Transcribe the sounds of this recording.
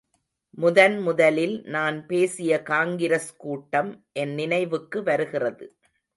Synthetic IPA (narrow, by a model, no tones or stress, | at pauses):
mʊðɐnmʊðɐlɪlnaːnpeːsɪjɐkaːŋɡɪɾɐskuːʈːɐmʔɛnːɪnɐɪʋɯkːɯʋɐɾɯɣɪrɐðɯ